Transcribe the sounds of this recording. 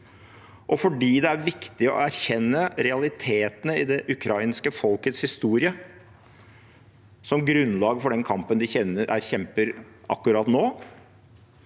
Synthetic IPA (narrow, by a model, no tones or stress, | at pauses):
ʔɔfɔɖiːd̪ɛæɾʋɪkt̪ɪɔ̰æɾçɛnːəɾɛɑlɪt̪ʰeːt̪ənəɪd̪ɛʔʉkʰɾɑɪnskəfɔlkət̪shɪst̪uːɾɪə | sɔmɡɾʉnlɑːɡfɔɖɛnkʰɑmpənd̪ɪçɛnːəɾʔæ̰ɾçɛmpəɾ | ʔɑ̰kːʉɾɑːt̪noː